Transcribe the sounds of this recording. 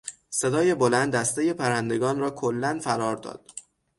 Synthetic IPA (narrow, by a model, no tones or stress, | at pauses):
se̞d̪ɒːje̞bolænd̪æst̪eje̞pʰæɾænd̪e̞ɡɒːnrɒːkʰolːænfæɾɒːɾd̪ɒ̰ːd̪̥̚